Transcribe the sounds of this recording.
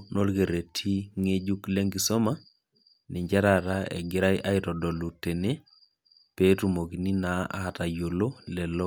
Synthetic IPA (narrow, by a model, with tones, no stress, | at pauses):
no˦lɣe˨ɾe˨tʰi˦ŋe˦d͡ʒu˦kle˦ŋɡi˨sɔ˦ma˦ | ni˨ɲd͡ʒa˦ɾa˨ɾaɛ̰˨ɡɪ˦ɾa˦jʔa˦iɾɔ˨dɔ˨lu˨te˨ne˦ | pe˦tu˨mo˨ki˨ni˦naa̰˨ta˨jo˨lo˦lɛ˨lɔ˦